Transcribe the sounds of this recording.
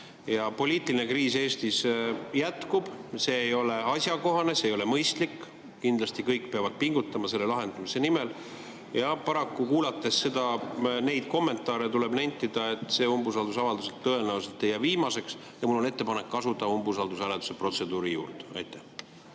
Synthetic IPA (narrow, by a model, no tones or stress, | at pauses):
jɑpo̞lʲiːt̪ˑiline̞kriːse̞ːst̪isjæt̪kub̥se̞ːjo̞le̞ɑsʲjɑko̞ɦɑne̞seːjo̞le̞mɤjst̪likː | kind̪lɑst̪ikɤjkːpeɑvɑd̪̥̚piŋɡut̪ːˑɑmɑse̞lːe̞lɑɦe̞nd̪̥umise̞nimel | jɑpɑɾɑkːukuːlɑt̪ːˑe̞sse̞d̪ɑne̞jd̪̥̚ko̞mːe̞nt̪ːˑɑːɾet̪ule̞bnæjnt̪ːˑid̪̥ɑe̞t̪ːˑse̞ːombus̬ɑld̪usɑvɑld̪uselt̪ːɤe̞nævuse̞lt̪ːˑejɑviːmɑse̞ks | jɑmulːo̞ne̞t̪ːˑe̞pɑne̞kːɑsut̪ːˑɑumbus̬ɑld̪usælet̪u̥se̞pro̞t̪se̞d̪uːɾijṵːrt̪ɑ̰jt̪ːˑæh